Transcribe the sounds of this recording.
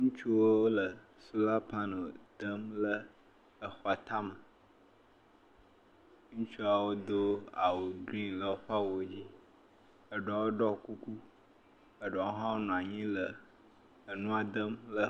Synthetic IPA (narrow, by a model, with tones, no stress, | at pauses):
ŋũ˦t͡ʃu˦wo˦wo˦lə˨ | su˦la˦pa˦no˨d̪̥ə˦mlə˦ | ə˨xɔ˨a˨t̪a˦mə˨ | ŋũ˦t͡ʃu˦a˨wo˦d̪o˦a˨wo˨ɡɾi˦nlə˨wo˦ɸa˦wo˦d͡ʑi˦ | ə˨ɖɔ˨wo˦ɖɔ˦ku˦ku˦ | ə˨ɖɔ˨˦wo˦ɦã˦wo˦nũ˨a˨ɲĩ˦lə˨ | ə˨nũ˦a˨d̪ə˦mlə˦